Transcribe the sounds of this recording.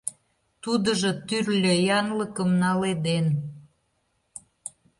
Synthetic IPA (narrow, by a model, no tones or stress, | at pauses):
t̪ud̪ə̆ʒɤt̪yrlʲø̆jɑnləkəmnɑled̪en